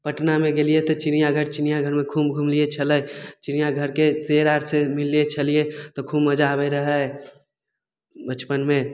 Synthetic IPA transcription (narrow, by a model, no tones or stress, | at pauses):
pəʈnamẽɡelijet̪ɔt͡ʃɪnijaɡʱəɾt͡ʃɪnijaɡʱəɾmẽkʰuːmɡʱumliet͡ʃʰələjt͡ʃɪnijaɡʱəɾkeseɾaːɾsemɪlːiet͡ʃʰəliet̪ɔkʰumːəd͡ʒabəɾəɦə | bət͡ʃpənmẽ